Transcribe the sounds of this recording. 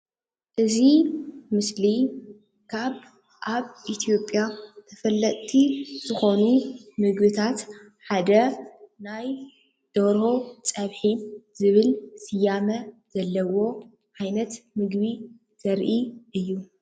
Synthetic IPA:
ʔɨzimɨsli | kʰaβ | ʔaβʔit̪ʰijo̞pʼːjat̪ʰɐfɐlːɐt̪ʼt̪ʰːiz̥ɨxo̞numɨɡbɨt̪ʰat̪ | ħad̪ɐnaj | d̪̥oɾo̞t͡sʼɐβħiz̥ɨβɨlsɨjamɐz̥ɐlːɐwo̞ | ʕajnɐt̪mɨɡβi | z̥ɐɾʔiʔɨjːu

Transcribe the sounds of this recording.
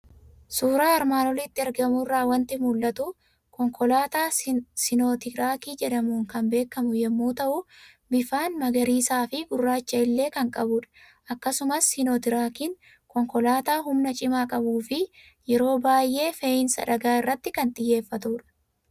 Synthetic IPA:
suːɾaːɐɾmaːnɔlɪt̪ːɪɐɾɡɐmʊrːaːwɐnt̪ɪmʊlːɐt̪ʊ | kɔŋkʰɔlaːt̪aːsɪno̞ːt̪ɪɾaːkiːd͡ʒɛᶑɐmuːŋkɐmbe̞ːkːɐmʊjɛmːuːt̪ɐʔʊ | bɪfaːnmɐɡɐɾiːsaːfɪɡʊrːaːt͡ʃːɐɪlːe̞ːkɐŋkʼɐbʊᶑɐ̥ | ʔɐkːɐsʊmɐsːɪnoːt̪ɪɾaːkɪn | kɔŋkɔlaːt̪aːɦʊmnɐt͡ʃʼɪmaːkʼɐbuːfɪ | jɛɾo̞ːbaːjʔe̞ːfeɪnsɐ̰ᶑɐɡaːɪrːɐt̪ːɪkɐnt̪ʼɪjːe̞ːfːɐt̪uːᶑɐ̥

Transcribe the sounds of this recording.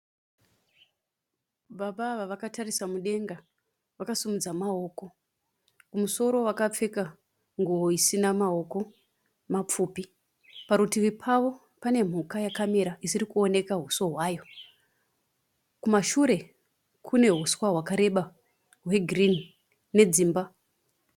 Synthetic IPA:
ɓaɓaːʋaʋakatarisamuɗe̞ŋɡa | ʋakasumud͡zamaoːko̞ | kumuso̞ɾo̞ʋakap͡fe̞ka | ŋɡuʋo̞isinamao̞ko̞ | map͡fuːpi | paɾutiʋipʰaʋo̞ | pane̞m̤ukajakame̞ɾaisirikuo̞ne̞kaɦuswoɦwaːjo̞ | kumaʃuɾe̞ | kʰune̞ɦuswaɦwakaɾe̞ɓa | ɦwe̞ɡʱrini | ne̞d͡ziːmba

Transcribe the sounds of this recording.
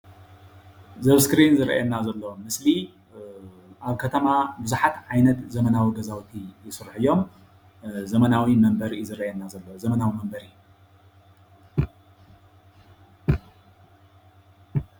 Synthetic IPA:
zɐβskɾinzɨɾɐ̰ʔɛnːazɐlːomɨsli | ʔaβkʰɐt̪ʰɐmabɨzuħat̪ʕajnɐt̪zɐmɐnawiɡɐzawt̪ʰijɪsɨɾħɨjːo̞m | zɐmɐnawimɐmbɐɾzɨɾɐʔɛnːazɐlːowzɐmɐnawimɐmbɐɾɨjːu

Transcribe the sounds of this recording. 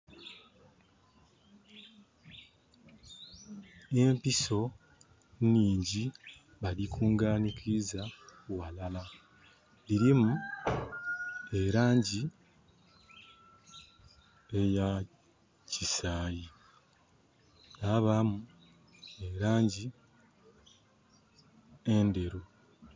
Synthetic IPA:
empiso̞ | niːɲɟi | βalikʰuːŋɡaːnikʰizawalala | liɾimu | e̞ɾaːɲɟi | e̞ja | cisaːji | naβamu | e̞ɾaːɲɟi | ende̞ɾo

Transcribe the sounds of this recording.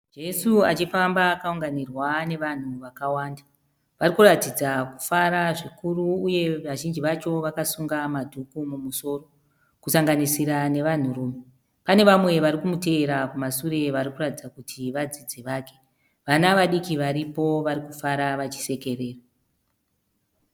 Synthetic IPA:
d͡ʒe̞sua̰t͡ʃifambaːkauŋɡanirwane̞ʋan̤uʋakawaːnda | ʋarikuratid͡zaku̥faɾaʐikuruːje̞ʋaʒind͡ʒiʋat͡ʃo̞ʋakasuŋɡamadʱukumumuso̞ro | kusaŋɡanisiɾane̞ʋan̤uruːme | pane̞ʋamwe̞ʋaɾikumute̞ːɾakumasuɾe̞ʋaɾikuratid͡zakutʰiʋad͡zid͡ziʋaːke̞ | ʋanaʋaɗikiʋaɾipo̞ʋaɾikufaɾaʋat͡ʃi̥se̞ke̞re̞ːra

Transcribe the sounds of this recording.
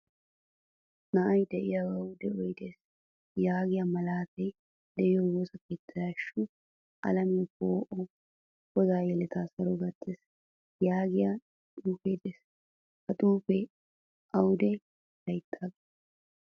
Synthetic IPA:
nɐʔɐjd̪ɛʔɪjawɐwd̪ɛɔjd̪eːs | jaːɡɪjamɐlaːt̪ɛj | d̪ɛʔɪjɔwoːsɐkeːt̪ːɐjaːʃːʊ | ʔɐ̰lɐmkoːʔɔ | ɡɔzaːjɛlɛt̪aːsɐɾɔɡɐt̪ːeːs | jaːɡɪja | t̪ʼuːfejd̪eːs | kɐt̪ʼuːfɛ | ʔɐwd̪ɛj | lɐjt̪ʰːaːɡeː

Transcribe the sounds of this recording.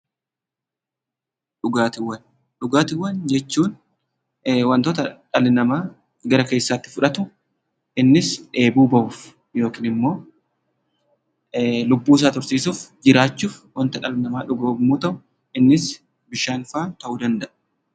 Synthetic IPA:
ᶑʊɡaːt̪ɪwːɐn | ᶑʊɡaːt̪ɪwːɐnd͡ʒɛt͡ʃːuːn | wɐnt̪oːt̪ɐᶑɐlɪnɐmaː | ɡɐɾɐke̞ːsːaːt̪ːɪ̥fʊᶑɐt̪ʊ | ɪnːɪsᶑe̞ːbuːbɐʔʊf | jo̞ːkiːnɪmːo̞ː | lʊbːuːs̬aːt̪ʊɾsiːsuːfd͡ʒɪɾaːt͡ʃːuːfwɐnt̪ɐᶑɐlɪnɐmaːᶑʊɡoːbmuːt̪ɐʔʊ | ɪnːɪs | bɪʃaːnfaːt̪ɐʔuːd̪ɐnd̪ɐʔ

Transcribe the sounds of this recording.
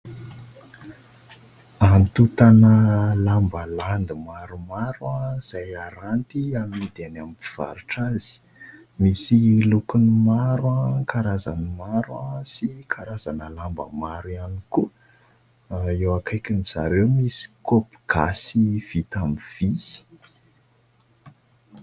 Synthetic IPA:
amit̪ut̪anəlambəland̪imaɾumaɾuaz̥ajaɾant̪iamid̪enamipi̥v̥a̰ɾuʈ͡ʂazi̥ | misilukunimaɾwãkaɾaza̰nimaɾasikʰaɾazanəlambə̰maɾianiku | ewakajkiniz̥a̰ɾewmisi̥kopi̥ɡ̥asiv̥it̪amiv̥i

